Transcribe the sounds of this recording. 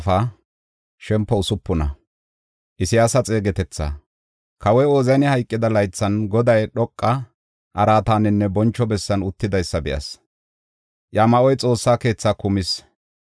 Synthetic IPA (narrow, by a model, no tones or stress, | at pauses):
fɐ | ʃɛmpːɔʊsʊpːʊnɐ̰ | ʔɪsɪjaːsɐt͡sʼe̞ːɡɛt̪ɛt͡sːa̰ | kɐwɔjoːzɐjnɪhɐjkʼːɪd̪ɐlɐjt͡sːɐnɡɔd̪ɐjɗɔkʼːɐ | ʔɐɾaːt̪aːnɪnːɛbɔnt͡ʃːɔbɛsːɐnʊt̪ːɪd̪ɐjsːɐbɪʔɐ̰s | ʔjaːmɐʔɔjt͡sʼo̞ːsːaːke̞ːt͡sːakʊmɪs